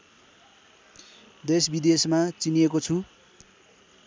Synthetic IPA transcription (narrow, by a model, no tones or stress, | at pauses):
d̪esbid̪esmat͡sinijekot͡sʰu